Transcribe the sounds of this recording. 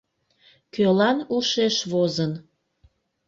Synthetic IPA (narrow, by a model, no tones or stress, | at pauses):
kølɑnuʃeʃβozən